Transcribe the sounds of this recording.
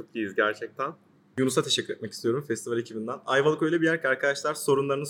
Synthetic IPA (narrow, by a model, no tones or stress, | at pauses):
t͡ʃʰok̪̚ijizɟæɾt͡ʃʰɛc̚t̪ʰæn | junusat̪ʰeʃɛcːyɾet̪̚mɛcist̪ʰijo̞ɾumfɛst̪ʰivalʲecʰibind̪ænajvalˠkøjlʲɛbijæɾcaɾkʰad̪aʃlˠaɾso̞ɾunlˠaɾɯnɯ